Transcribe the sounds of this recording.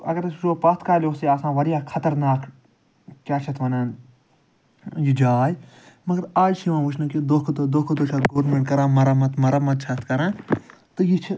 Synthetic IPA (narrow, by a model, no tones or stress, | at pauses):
ɐ̰ɡəɾsʃoːpɐt̪kaːlʲjoːseːaːsãːʋɐɾijaːkʰɐt̪ɐɾnaːk | t͡ʃaːt͡ʃʰɐt̪ʋɐnãːn | jid͡ʒaːj | mɐɡɐɾaːd͡ʒʃiʋãːʋʊt͡ʃʰnɐkid̪oːkʰɐt̪od̪oːkʰɐd̪oːt͡ʃʰɐt̪ɡoːɾmẽɳʈkɐɾãːmɐɾaːmɐt̪mɐɾaːmɐt̪̚t͡ʃʰɐt̪kɐɾãː | t̪ɨjit͡ʃʰ